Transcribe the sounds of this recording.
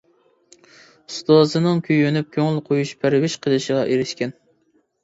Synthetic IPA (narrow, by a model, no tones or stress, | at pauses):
st̪ozɨnɨŋkʲʰyjønyp̚kʲʰøŋlˠqʰojuʃpʰæɾwɪʃqʰəlˠɨʃəʁɑʔeɾɪʃkʲɛn